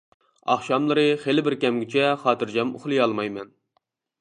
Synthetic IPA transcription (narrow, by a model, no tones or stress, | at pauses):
ɑ̰χʃɑmlˠɨɾɨχelɪbɪɾkʲɛmɡʲɪt͡ʃʰɛχɑːt̪ɨɾd͡ʒɑmo̰χlˠɨjɑlˠmɑjmɛn